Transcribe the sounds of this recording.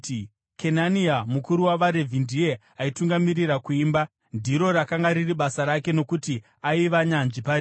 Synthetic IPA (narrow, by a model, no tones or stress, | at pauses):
kʰe̞naniamukuɾuwaʋaɾevʱindie | aituŋɡamirirakuiːmba | ndʱiɾo̞ɾakaŋɡaɾiriɓasaɾake̞no̞kuti | aiʋaɲanʐipai